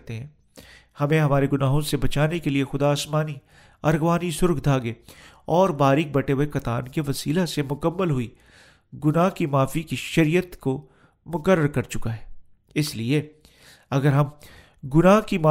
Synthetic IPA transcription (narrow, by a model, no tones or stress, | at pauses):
t̪eɦɛ̃ː | hɐmẽɦɐmaːɾeɡʊnaːɦõsebɐt͡ʃaːnekeliexʊd̪aːsmaːni | ɐɾɣʋaːnisʊɾkʰd̪ʱaːɡe | ɔːɾbaːɾɪk̚bɐʈeɦuekɐt̪aːnkeʋɐsiːlasemʊkəmːəlɦʊi | ɡʊnaːɦkimaːfikiʃɐɾijət̪ko | mʊkəɾːəɾkɐɾt͡ʃʊkaɦɛː | ɪslie | ɐɡəɾɦɐm | ɡʊnaːɦkimaː